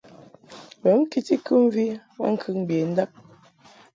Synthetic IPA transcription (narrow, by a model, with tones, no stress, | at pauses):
bə˨˦ŋ̩˦ki˦ti˦kʉ˦m˦vi˦wa̰˦ŋ̩˦kʰɯ˦˨ŋ˦bje˨n̩˦da˦p̚